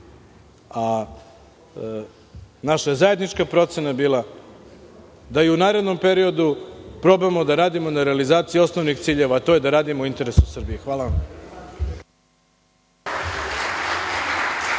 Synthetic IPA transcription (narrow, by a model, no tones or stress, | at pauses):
a | naʃajezaje̞d̪nit͡ʃkapɾo̞t̪se̞nabiːlˠa | d̪aiunaːɾe̞d̪no̞mpe̞ɾio̞d̪upɾo̞bemo̞d̪aɾaːd̪imo̞naɾealizaːt̪sijio̞sno̞ʋnixt̪siːʎe̞ʋaːt̪o̞ːje̞d̪aɾaːd̪imoint̪e̞ɾe̞susr̩bijixʋaːlaʋam